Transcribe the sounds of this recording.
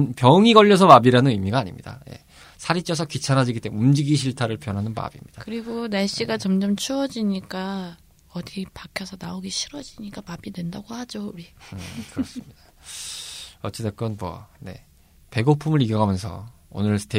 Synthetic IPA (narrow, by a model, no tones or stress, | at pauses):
npjʌŋiɡʌʎːʌsʰʌmabiɾanɯnɯmːiɡaːɲimɲida̰je̞̰ | sʰaɾit͡ɕ͈ʰʌs̬ʰʌkit͡ɕʰanad͡ʑiɡit͈eumd͡ʑiɡiɕʰiɭtʰaɾɯɭpjʌnɦanɯnpa̰bḭmɲid̥akɯɾiɡonaɭɕ͈iɡat͡ɕʌmd͡ʑʌmt͡ɕʰuʌd͡ʑiɲik͈a | ʌdipakʰjʌsʰʌnaoɡiɕʰiɾʌd͡ʑiɲik͈amabidwe̞ndaɡohad͡ʑouɾiɯkɯɾʌs͈ɯmɲid̥a | ʌt͡ɕ͈ʰetek͈ʌnmwʌ̰ne̞̰ | pe̞ɡopʰumɯɾiɡjʌɡamjʌnsʰʌ̰ | o̰nɯɭtʰe